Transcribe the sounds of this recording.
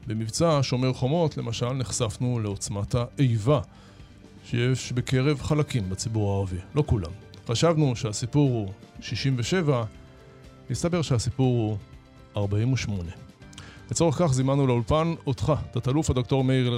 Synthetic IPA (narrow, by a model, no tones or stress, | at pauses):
bemivt͡saʃo̞meʁχo̞mo̞tle̞maʃalneχsafnule̞o̞t͡smataʔejva | ʃejeʃbeke̞ʁe̞vχalakimbat͡sibuʁaːʁavilo̞kula̰mχaʃavnuʃeasipuʁhuʃiʃimveʃe̞va | nistabe̞ʁʃehasipuʁhu | aʁbaimuʃmo̞ne̞let͡so̞eχkaχzimanːulaulpanotχatatalufhado̞kto̞ʁmei